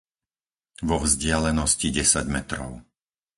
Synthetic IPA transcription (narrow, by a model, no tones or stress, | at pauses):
ʋɔvzɟɪalɛnɔsciɟɛsaɟmɛt̪ɾɔ̰ʊ